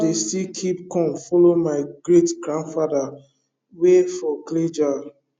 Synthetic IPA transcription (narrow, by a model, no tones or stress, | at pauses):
destikʰip̚kɔ̃mfɔlomaɪɡɹetɡɹãndfada | wefɔkled͡ʒa